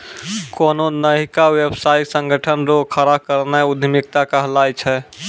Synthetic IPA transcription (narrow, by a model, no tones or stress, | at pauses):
kononəɦikawebsajksəŋɡʱəʈʰənɾoɡkʰəɾakəɾnɛʊd̪ʱmik̚t̪akəɦlajt͡ʃʰɛ